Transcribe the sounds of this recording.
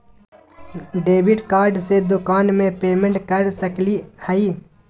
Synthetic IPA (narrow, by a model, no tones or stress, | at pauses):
ɖeːbɪʈkaːɾɖsed̪ʊkaːnmẽpeːmẽɳʈkəɾsəklihɐiː